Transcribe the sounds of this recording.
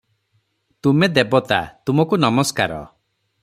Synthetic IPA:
t̪umed̪ebɔt̪a̰t̪umɔkunɔmɔskaɾɔ̰

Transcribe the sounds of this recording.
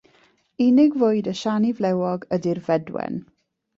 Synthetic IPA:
ɪnɪɡvʊːɨdəʃanivlɛwɔɡədirvɛdwɛ̰n

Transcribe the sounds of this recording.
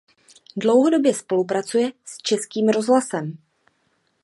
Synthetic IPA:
dlo̞wɦo̞do̞bjɛspo̞lup̬ɾat͡sujɛst͡ʃɛskiːmɾo̞zɦlasɛm

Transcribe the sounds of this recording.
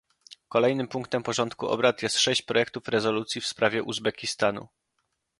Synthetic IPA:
kɔlɛjnɘmpuŋk̚t̪ɛmpɔʐɔnt̪kuʔɔ̰bɾat̪jɛst̪ʂɛɕt͡ɕpɾɔjɛk̚t̪ufɾɛzɔlut̪sʲjifspɾavʲjɛʔuzbɛkʲist̪anṵ

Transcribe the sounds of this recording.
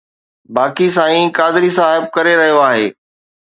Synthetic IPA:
baːkis̬aːĩkaːd̪ɪɾisãːɦɪb̚kɐɾeɾɐɦijoaːɦeː

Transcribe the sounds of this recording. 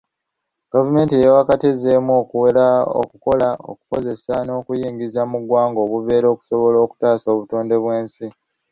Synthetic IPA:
ɡ̥avume̞ːntijewakatezemuokuwe̞ɾao̰kuko̞lao̰ku̥ko̞ze̞sano̞ːkujiːŋɡizamuɡwaːŋɡo̞ːβuve̞ːɾo̞ːku̥so̞βo̞lo̞ːku̥taːso̞ːβutoːnde̞βwe̞ːnsi

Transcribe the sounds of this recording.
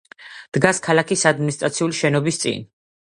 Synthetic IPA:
d̪̥ɡaskʰalakʰisad̪minist̪ʼɾat̪sʰiuliʃɛnɔbist̪sʼḭn

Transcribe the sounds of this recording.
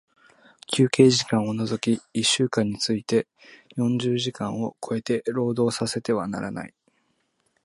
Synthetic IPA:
kʲʰɨːke̞ːʑikãɰ̃onozo̞kʲiiɕːɨːkãɲ̟ːit͡sɨit̪e̞ | jõ̞ɲ̟d͡ʑɨːʑikãɰ̃o̞kʰo̞e̞t̪e̞ɾo̞ːd̪o̞ːsase̞t̪e̞βana̰ɾana̰i

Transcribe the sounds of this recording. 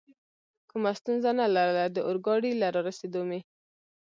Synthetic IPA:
kumast̪unzanalaɾəlad̪əʔʊɾɡɑɽilaɾɑɾased̪ome

